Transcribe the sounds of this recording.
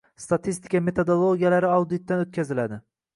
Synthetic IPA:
st̪at̪ʰist̪ʰɪ̥kame̞t̪ʰod̪olˠoɡʲijalaɾɪawd̪ɪt̪̚d̪anot̪̚kʲʰazɪlad̪ɪ

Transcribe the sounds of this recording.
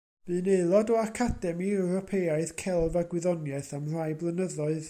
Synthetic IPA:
v̥ɨːneɨlˠɔdɔakʰadɛmiɛwɾɔpʰejaɨθkʰɛlˠvaɡwɪðɔnjaɨθamr̥ajblˠənəðɔɨð

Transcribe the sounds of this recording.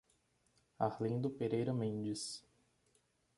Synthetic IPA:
ahlĩnd̪ʊpeɾejɾɐmẽnd͡ʒɪs

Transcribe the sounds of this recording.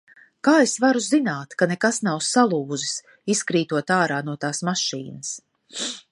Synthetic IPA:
kaːesvaɾuzinaːt̪kanekasnawsalˠuːzis | iskɾiːt̪uɔt̪aːɾaːnuɔt̪aːsmaʃḭːnɐs

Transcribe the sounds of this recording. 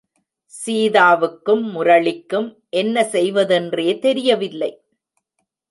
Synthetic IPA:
siːðaːʋɯkːɯmːʊɾɐɭɪkːɯm | ʔɛnːɐsɛjʋɐðɛndreːt̪ɛɾɪjɐʋɪlːɐɪ

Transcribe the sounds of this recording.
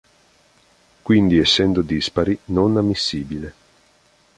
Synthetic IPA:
kwind̪iɛsːɛnd̪od̪ispaɾinonamːisːiːbile

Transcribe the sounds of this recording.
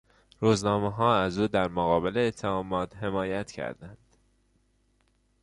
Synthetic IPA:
ɾuːznɒːmeɦɒːæzuːd̪æɾmoɣɒːbeleːt̪ʰːeɒːmɒːt̪he̞mɒːjæt̪ʰcʰæ̰ɾd̪ænd̪̥

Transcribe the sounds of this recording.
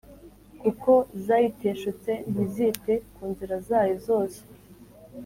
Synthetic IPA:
kuko̞zajiteːʃut͡se̞n̥iziːte̞kuːnziɾazaːjizo̞ːse̥

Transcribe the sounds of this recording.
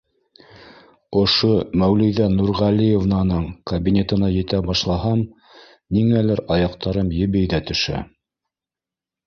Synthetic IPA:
ŏʃomæwlɘ̆jðænuɾʁɑlʲijevnɑnɤɴkɐbʲinʲet̪ɤ̆nɑjɘ̆t̪æbɑʃlˠɑɦɑm | niŋælɘɾɑjɑqt̪ɑɾɤmjɘ̆βɘ̆jðæt̪ɵ̆ʃæ̰

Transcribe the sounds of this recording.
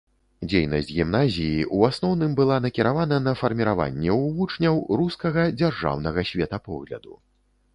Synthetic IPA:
d͡zʲejnɐsʲd͡zʲɣʲimnazʲijiʔuasnɔwnɨmbɨlˠanɐkʲiɾavanɐnɐfɐrmʲiɾava̰nʲːɛwvut͡ʂnʲɐwɾuskɐɣɐd͡zʲarʐa̰wnɐɣɐsʲvʲɛt̪ɐpɔ̰ɣlʲɐ̰d̪u

